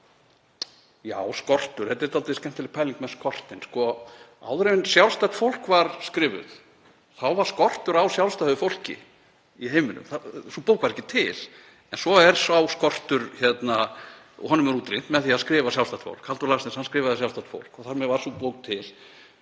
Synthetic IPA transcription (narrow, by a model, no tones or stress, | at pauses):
jaːwskɔr̥t̪ʏɾ̥hɛt̪ɪɛɾt̪alt̪ɪscɛm̥t̪ʰɪlɪpʰaːjliŋkmɛðskɔr̥t̪ɪnskɔa̰wðɾevɪnsjawlst̪akt̪fowl̥kvaɾskɾɪːvʏ̰θ | θawvaɾ̥skɔr̥t̪ʏɾawsjawlst̪ahʏfowl̥cɪ̰ | iɦeːjmɪnʏ̰mθasupoːwkvaɾɛcːɪt̪ʰɪl | ɛnsɔɛɾsawskɔr̥t̪ʏɾçɛt̪na | ɔ̰ɦɔnːʏmɛɾuːt̪ɾent̪mɛðaθiaðskɾɪːvasjawlst̪aht̪fo̰wl̥khalt̪ʏɾlasɪnshanskɾɪːvaðɪsjawlst̪at̪fo̰wlkɔθaɾmɛvaɾ̥supowk̚t̪ʰɪl